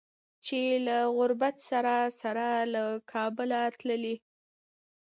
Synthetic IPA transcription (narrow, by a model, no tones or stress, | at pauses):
t͡ʃelaɣʊɾbat̪saɾasaɾalakʰɑbəlat̪ləli